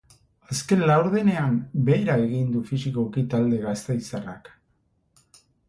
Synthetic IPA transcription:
aske̞nlawɾð̞ene̞ambe̞ːɾae̞ɣind̪ufisikokit̪ald̪e̞ɣast̪e̞jsara̰k

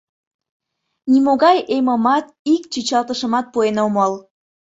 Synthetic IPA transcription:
nimoɣɑjeməmɑt̪ | ikt͡ɕyt͡ɕɑlt̪əʃə̆mɑt̪̚puenoməl

